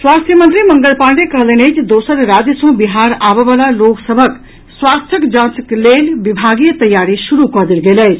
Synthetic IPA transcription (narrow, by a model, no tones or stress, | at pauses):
swast̪ʰjəmənt̪ɾiməŋɡəlpaɖekəɦlənet͡ʃʰd̪osəɾɾad͡ʒjəsõbiɦaɾabeβalaloksəbʱək | swast̪ʰjəkd͡ʒãsəklelbibʱaɡijət̪əjːaɾisuɾukəd̪elɡeləjt͡ʃʰ